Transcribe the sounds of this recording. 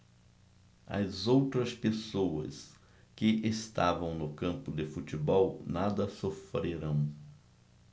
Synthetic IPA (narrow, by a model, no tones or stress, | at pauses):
ɐ̰zowt̪ɾɐspesoɐ̰s | kɪʔest̪avɐ̃w̃nʊkɐ̃mpʊd̪ɪfut͡ʃ̪ibɔwnad̪ɐsofɾeɾɐ̃w̃